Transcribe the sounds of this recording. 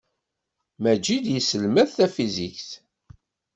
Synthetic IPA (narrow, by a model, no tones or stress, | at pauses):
mæd͡ʒid̪jəsəlmæθθæfizikθ